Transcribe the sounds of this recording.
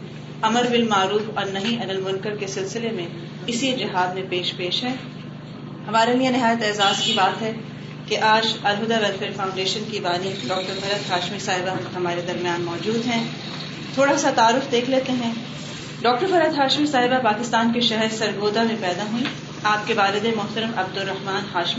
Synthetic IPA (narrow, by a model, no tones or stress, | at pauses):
ɐməɾbɪlmaːɾuːfɔːɾnɐɦĩʔɐnəlmʊ̃nkəɾkesɪlsɪlemẽ | ɪsid͡ʒɪɦaːd̪mẽpeːʃpeːʃɦɛ̃ː | hɐmaːɾelijenɪɦaːjət̪ɛːzaːzkibaːt̪ɦɛː | keʔaːd͡ʒɐlɦʊd̪aʋɛlfeːɾfãːʊ̃ɳɖeːʃənkibaːniɖɔːk̚ʈəɾfɐɾəd̪ɦaːʃmisaːɦɪbaɦɐmaːɾed̪ɐɾmjaːnmɔːd͡ʒuːd̪ɦɛ̃ | t̪ʰoːɽasat̪aːɾʊfd̪eːkʰleːt̪eɦɛ̃ː | ɖɔːk̚ʈəɾfɐɾəd̪ɦaːʃmisaːɦɪbapaːkɪst̪aːnkeʃɛɦɛɾsɐɾɡoːd̪amẽpɛːd̪aɦuĩ | aːp̚keʋaːlɪd̪emʊɦt̪əɾəmɐb̚d̪ʊɾːɐɦmaːnɦaːʃmi